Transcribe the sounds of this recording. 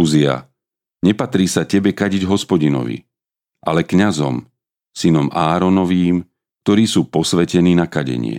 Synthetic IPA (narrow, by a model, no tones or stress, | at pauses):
uzia̰ | ɲɛpat̪ɾiːsacɛbɛkaɟiɟɦɔspɔɟinɔ̰ʋḭ | ʔalɛkɲazɔ̰m | sinɔmʔaːɾɔnɔʋiːm | k̚t̪ɔɾiːsuːpɔsʋɛcɛniːnakaɟɛ̰ɲɪɛ̰